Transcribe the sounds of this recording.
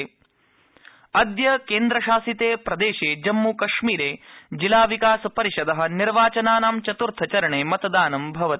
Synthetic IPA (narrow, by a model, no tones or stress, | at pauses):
ɐd̪jɐkeːnd̪ɾɐʃaːsit̪eːpɾɐd̪eːʃeːd͡ʒɐmːuːkɐʃmiːɾeːd͡ʒilaːʋikaːsɐpɐɾiʃɐd̪ɐɦɐ̆niɾʋaːt͡ʃɐnaːnaːmt͡ʃɐt̪uɾt̪ʰɐt͡ʃɐɾɐɳeːmɐt̪ɐd̪aːnɐmbʱɐʋɐt̪